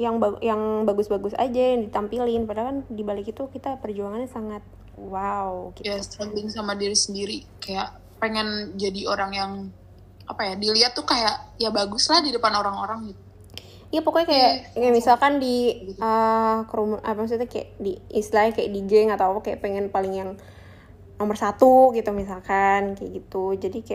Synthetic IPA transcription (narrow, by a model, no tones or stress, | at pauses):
jaŋbajaŋbaɡʊsbaɡʊsa̰d͡ʒaŋdit̪ampilɪnpadlakandibalɪkit̪ukit̪apərd͡ʒuaŋanɲasaŋat̪̚ | waukjast̪ɾambɪŋsamadiɾisəndiɾi | kajaʔ | peŋɛnd͡ʒadioɾaŋjaŋ | apajadiliat̪ːukajaʔjabaɡʊslahdidəpanoɾaŋoɾaŋɡit̪̚u̥ | ijapokokajakajaʔmisalkandiəkəɾumʔapamas̬ut̪ukaja̰ʔdiʔislakaja̰ʔdiɡɛŋat̪awapakaja̰ʔpeŋɛnpalɪŋjaŋ | nomərsat̪uɡit̪umisalkankaja̰ʔɡit̪ud͡ʒadikaja̰ʔ